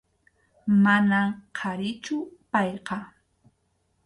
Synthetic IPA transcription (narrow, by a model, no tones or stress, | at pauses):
manamqʰaɾɪt͡ʃʊpɑjqɑ